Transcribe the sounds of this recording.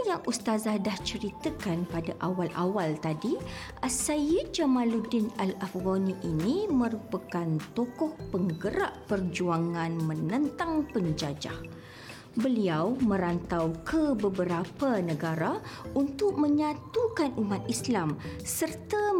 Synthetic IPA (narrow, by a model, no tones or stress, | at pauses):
jaŋʔust̪azadaht͡ʃəɾit̪əkanpadaʔawalʔawalt̪adi | ʔasajid͡ʒamãludinalafɡoniʔinimə̃ɾupakant̪ɔkɔhpəŋɡəɾa̰ʔpərd͡ʒuaŋãnmə̃nənt̪aŋpəɲd͡ʒad͡ʒa̰h | bəliawmə̃ɾant̪awkʰəbəbəɾapanəɡaɾaʔunt̪ʊk̚mə̃ɲãt̪ukanʔumat̪̚islamsərt̪a